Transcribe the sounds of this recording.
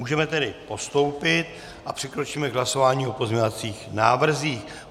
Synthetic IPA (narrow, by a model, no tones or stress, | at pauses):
uːʒɛmɛt̪ɛdɪpo̞st̪o̞wpɪt̪̚ | ʔapr̥ɪkɾo̞t͡ʃiːmɛɡɦlaso̞vaːɲiːo̞po̞zɲovat͡siːxnaːvr̩ziːx